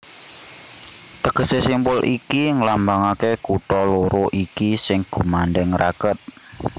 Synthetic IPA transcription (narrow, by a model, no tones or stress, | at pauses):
t̪əɡ̥ə̤sesimpʊlʔikiŋəlambaŋakekuʈɔloɾoʔikisɪŋɡ̥ṳmanɖɛŋɾakət̪̚